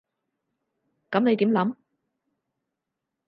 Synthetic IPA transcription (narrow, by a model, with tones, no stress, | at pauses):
kɐ˨˥mne˨˧jt̪i˨˥mlɐ˨˥m